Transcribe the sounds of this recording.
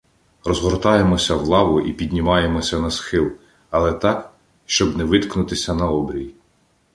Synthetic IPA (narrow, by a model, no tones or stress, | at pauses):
rɔzɦɔrt̪ɑje̞mɔsʲɐwlˠɑʋʊʔipʲid̪ʲnʲɪmɑje̞mɔsʲɐnɐsxɪlˠ | ɐlˠɛt̪ɑk | ʃt͡ʃɔbnɛʋɪt̪knʊt̪ɪsʲɐnɐɔbɾʲij